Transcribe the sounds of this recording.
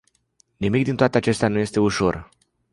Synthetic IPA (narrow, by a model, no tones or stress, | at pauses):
nimikd̪int̪oat̪eat͡ʃe̞st̪eanuje̞st̪e̞uʃo̞r